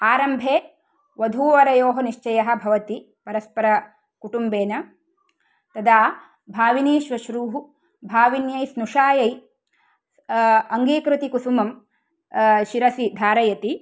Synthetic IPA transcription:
aːɾɐmbʱeː | ʋɐd̪ʱuːʋɐɾɐjoːɦɐniʃt͡ʃɐjɐɦɐ̆bʱɐʋɐt̪i | pɐɾɐspɐɾɐ | kuʈumbeːnɐ | t̪ɐd̪aː | bʱaːʋiniːʃʋɐʃɾuːɦu | bʱaːʋinjɐjsnuʂaːjɐj | ɐŋɡiːkɾɨt̪ikusumɐm | ʃiɾɐsid̪ʱaːɾɐjɐt̪i

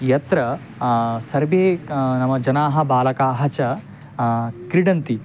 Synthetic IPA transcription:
jɐt̪ɾɐ | sɐɾbeːnɐmːɐd͡ʒɐnaːɦɐ̆baːlɐkaːɦɐt͡ʃɐ | kɾiɖɐnt̪i

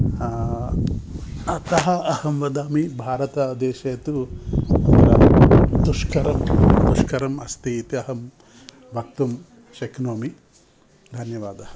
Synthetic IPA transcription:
ɐt̪ɐɦɐɐhɐmʋɐd̪aːmibʱaːɾɐt̪ɐd̪eːʃeːt̪u | ɾɐd̪uʃkʰɐɾɐmd̪uʃkʰɐɾɐmɐst̪iːt̪iɐɦɐm | bʱɐk̚t̪um | ʃɐkʰnoːmi | d̪ʱɐnjɐʋaːd̪ɐɐ

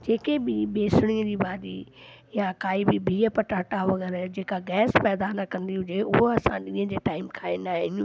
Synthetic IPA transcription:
d͡ʑeːkebɪbeːsʊɽ̃iə̃d͡ʑiːbaːdi | jakaːibɪbʱiːəpɐʈaːʈaʋɐɣɛːɾd͡ʑeːkaɡɛːspɛːd̪anɐkɐ̃nd̪iɦʊd͡ʑeʊɦoɐsãɗĩːə̃d͡ʑeːʈaːɪmkʰaːẽnd̪aːɦɪ̃n

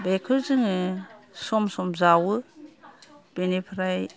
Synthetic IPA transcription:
bekʰɯɾzɯŋɯsɔmsɔmzawɯ | b̥enipʰɾaj

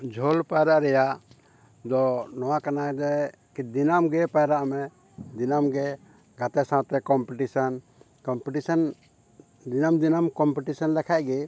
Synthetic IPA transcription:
d͡ʒʱɔlpajɾaʔɾɛjaʔ | d̪ɔnɔwakanad̪ɛ | kid̪inamɡɛpajɾaʔmɛ | d̪inamɡɛ | ɡat̪ɛsãt̪ɛkɔmpiʈisan | kɔmpiʈisan | d̪inamd̪inamkɔmpiʈisanlɛkʰaʔɡɛ

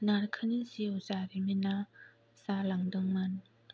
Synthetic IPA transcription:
naɾkʰanisiozaɾimina | salaŋdɯŋman

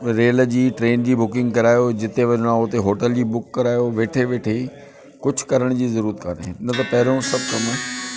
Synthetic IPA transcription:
ɾeːld͡ʑiːʈɾeːnd͡ʑiːbʊkɪ̃ŋɡkɐɾaːjod͡ʑɪt̪eʋɐɲɽ̃ãʊt̪eɦoːʈəld͡ʑiːbʊkːɐɾaːjoʋeːʈʰeʋeːʈʰe | kʊd͡ʑʱkɐɾəɽ̃d͡ʑiːzɐɾuːɾət̪kʰa̰ːneɪnət̪ɐpɐɦɪɾjõsɐb̚ʱkɐm

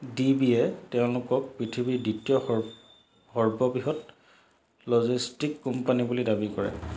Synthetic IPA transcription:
dibiɛtɛʊ̃lʊkɔk̚pɹitʰibiditiɔ | hɔɹbɔbiɦɔt | lɔzistikːɔmpanibulidabikɔɹɛ̰

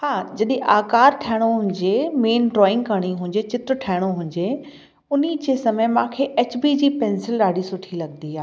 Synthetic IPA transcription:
haːd͡ʑɐɗĩʔaːkaːɾʈʰaɦɪɽ̃oɦʊ̃ːɲd͡ʑemeːnɖɾɔːɪ̃ŋɡ̚kɐɽ̃iɦʊ̃ːɲd͡ʑet͡ɕɪt̪ɾʈʰaːɪɽ̃oɦʊ̃ːɲd͡ʑe | ʊnid͡ʑeːsɐməjmãːkʰeʔeːt͡ɕbiːd͡ʑiːpɛ̃ːnsɪlɗaːɽisʊʈʰilɐɠnd̪iaː

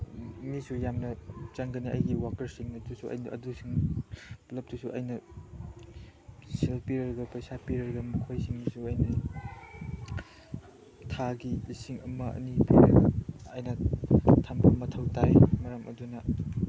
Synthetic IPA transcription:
misujamnɐt͡ʃɐŋɡɐniɐ̰jɡiwakɐɾsiŋnɐdusuʔɐ̰jnʔɐ̰dusiŋplɐp̚dusuʔɐjnɐ | selpiɾɐɾɐɡɐpɐjsapiɾɐɾɐɡɐmukʰojsiŋnisuɐjnɐ | tʰaɡiisiŋɐmɐɐ̰nipʰiɾɐɡɐɐjnɐtʰambʰɐmːɐtʰɐwtajmɐɾɐmʔɐ̰dunɐ

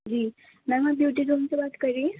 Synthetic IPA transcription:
d͡ʑiː | mɛmabjuʈiɾumt͡səbat̪kəɾi

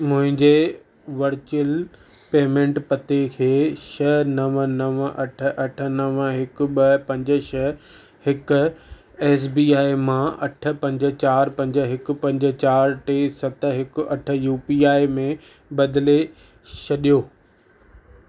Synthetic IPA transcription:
mʊ̃ɦɪ̃ɲd͡ʑe | ʋɐɾt͡ɕəl | peːmẽːɳʈpɐt̪ekʰeːʃɐnɐʋənɐʋʔɐʈʰə̆ʔɐʈʰə̆nɐʋɦɪk̆ɓɐpɐ̃ɲd͡ʑə̆ʃɐ | hɪkʊ | ɛːs̬biːaːimãɐʈʰə̆pɐ̃ɲd͡ʑə̆t͡ɕaːɾpɐ̃ɲd͡ʑə̆ɦɪk̆pɐ̃ɲd͡ʑə̆t͡ɕaːɾʈeːsɐt̪ɦɪkɐʈʰəjuːpiːaːimẽ | bɐd̪le | t͡ɕʰɐɗijoː

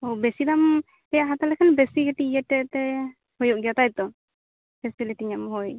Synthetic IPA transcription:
owbɛsid̪am | ɛjaɦat̪alɛkʰanbɛsiɡɛʈijatɛt̪ɛ | hɔjɔʔ̚ɡat̪ajt̪ɔ | bɛsɛlitiɲamhɔj

